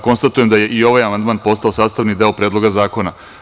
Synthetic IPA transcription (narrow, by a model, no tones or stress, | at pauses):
ko̞nst̪at̪ujemd̪aje̞ʔio̞ʋajamand̪maːnpo̞st̪aosaːst̪aʋnid̪e̞opɾedlo̞ɡazaːko̞na